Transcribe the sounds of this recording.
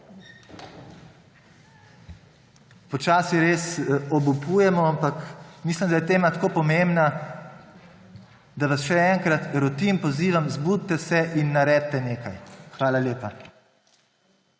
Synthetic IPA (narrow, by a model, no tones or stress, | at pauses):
pɔt͡ʃaːsiɾeːsɔbupuːjɛmɔampakmislimd̪ajɛt̪eːmat̪akoːpɔmembna | d̪aʋasʃɛɛŋkɾat̪ɾɔt̪inpɔziːʋamzbud̪t̪ɛsɛʔinːaɾɛːd̪̚t̪ːɛneːkajxʋaːlaljeːpa